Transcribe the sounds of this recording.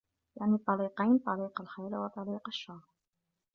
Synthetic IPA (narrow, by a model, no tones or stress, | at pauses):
jaʕnit̪ˤːɑliːqajnt̪ˤɑliːqalħajlwɑt̪ˤɑliːqaʃːɑɣɾ